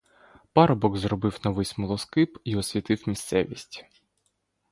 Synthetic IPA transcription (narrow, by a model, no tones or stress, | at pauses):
pɑɾɔbɔɡzɾɔbɪwnɔʋɪsʲmɔlˠɔskɪpiɔsʲʋʲit̪ɪwmʲist̪sɛʋʲisʲtʲ